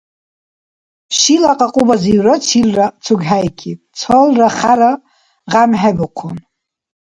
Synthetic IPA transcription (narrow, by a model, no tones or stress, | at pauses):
ʃilaqʼaqʼubaziɥrat͡ʃʰilrat͡sʰuɡħajkʲʰitʼt͡sʰolraχaɾa | ʁamħabɨqʷʰun